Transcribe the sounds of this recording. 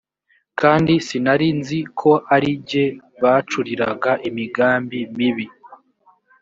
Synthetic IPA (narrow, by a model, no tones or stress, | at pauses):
kaːndisinaɾinzikʰo̞ʔaɾiɟe̞βat͡ʃuɾiɾaɡaʔimiɡaːmbimiβi